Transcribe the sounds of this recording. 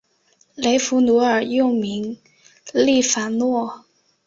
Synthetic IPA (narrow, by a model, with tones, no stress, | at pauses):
le˨˥jfuː˨˥nu˨˥a˨˩jo˥˧wmi˨˥ŋ | liː˥˩faː˨˥nɔ˥˧˨